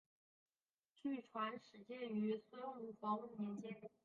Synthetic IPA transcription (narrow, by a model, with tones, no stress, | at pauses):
t͡ɕy˥˩ʈ͡ʂʰwa˧˥nʂɻ̩˨˧˥t͡ɕjɛ˥˩ny˧˥swɔ˧˥jo˧˩ʊu˥˩fɑ˧˥ŋu˥˩mjɛ˧˥nt͡ɕjɛ˥n˨˩